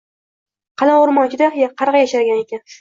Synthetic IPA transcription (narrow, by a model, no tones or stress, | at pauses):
qʰɑlaʊɾmɒnt͡ʃʰɪd̪aχjaqʰɑɾʁɑjaʃaɾɡʲane̞kʲan